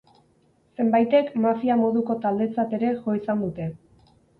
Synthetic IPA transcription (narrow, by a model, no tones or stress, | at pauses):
se̞mbajt̪e̞kmafiamo̞ðuko̞t̪ald̪et͡sat̪e̞ɾe̞ʝo̞isand̪ut̪e̞